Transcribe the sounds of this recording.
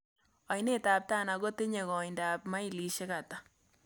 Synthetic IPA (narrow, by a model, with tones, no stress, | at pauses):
ɔ˨ɪ˨ne˦˨taː˨p̚ta˦˨na˨ɡo˦te˦ɲe˨ɣɔ˨ɪnda˨pma˦i˦li˨ʃe˦ka˨ta˨